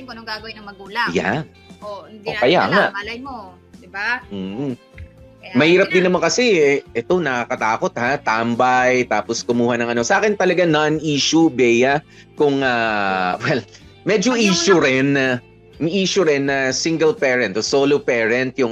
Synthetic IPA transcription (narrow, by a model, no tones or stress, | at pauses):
ɡaɡɐwnɐmɐɡuːlɐja̰ | ʔo̰kɐjaŋaʔo | d̪ɪbam̩ː | mɐhiːɾɐp̚d̪ɪnːɐmaŋkɐsɛɛʔɛt̪o̞nɐkakɐt̪aːko̞t̪̚hat̪ambɐjt̪aːposkʊmuːhɐnɐŋʔɐno̞sɐʔaːkɪnt̪ɐlɐɡananʔiːʃubɛjɐ | kʊŋawɛl | mɛd͡ʒoʔiːʃʊɾɛn | mʔiːʃʊɾɛnːɐsiŋɡɛlpɛːɹɛnt̪osoːlopɛːɹɛnt̪̚jʊŋ